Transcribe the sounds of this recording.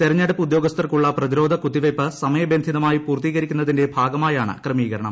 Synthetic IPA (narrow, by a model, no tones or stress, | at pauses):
t̪eɾɐɲːɐɽupːud̪jo̞ːɡɐst̪ʰɐrkuɭːɐprɐðiɾo̞ːd̪ʱɐkud̪ːiʋɐjpːɨsɐmɐjɐbend̪ʱiðɐmaːjipuːrt̪iːɣɐɾikʲːunːɐðindebʱaːɡɐmaːjaːɳɨ̰krɐmiːɣɐɾɐɳɐ̰m